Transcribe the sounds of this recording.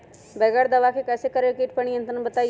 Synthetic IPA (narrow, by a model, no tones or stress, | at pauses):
bɛːɡaɾd̪əʋakʰekɛːsekəɾekiːʈ̚pəɳ̃ijə̃nt̪ɾənbət̪a